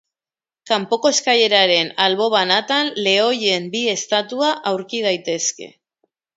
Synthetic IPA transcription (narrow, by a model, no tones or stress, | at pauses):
kampo̞ko̞skaje̞ɾaɾe̞nalβo̞β̞anat̪anle̞o̞je̞mbie̞st̪at̪uaʔawɾkið̞ajt̪e̞ske̞̰